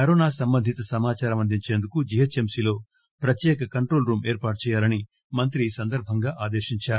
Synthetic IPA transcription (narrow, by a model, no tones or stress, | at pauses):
kɐɾoːnaːsɐmbɐnd̪ʱit̪ɐsɐmaːt͡ʃaːɾɐmɐnd̪ʱiɲt͡ʃe̞ːnd̪ukud͡ʒijɐt͡ʃemsiːlo̞ː | pɾɐt̪jɛːkɐkɐɳʈɾo̞ːlɾuːmeːɾpaːʈ̚t͡ʃɛːjaːlɐni | mɐnt̪ɾiːsɐnd̪ɐɾbʱɐŋɡaːʔaːd̪eːʃiɲt͡ʃaːɾu